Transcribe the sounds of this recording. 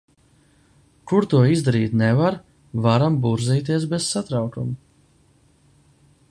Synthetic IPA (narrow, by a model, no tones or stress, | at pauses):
kuɾt̪uɔizd̪aɾiːt̪nɛvaɾ | vaɾambuɾziːt̪̬iɛs̬bɛz̥sat̪ɾawkumu